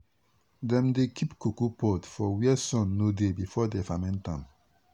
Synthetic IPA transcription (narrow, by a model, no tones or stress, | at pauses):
dɛ̃mdekʰipkukupɔtfɔwiɛsɔ̃nːodebifɔdɛfamɛ̃ntã̰m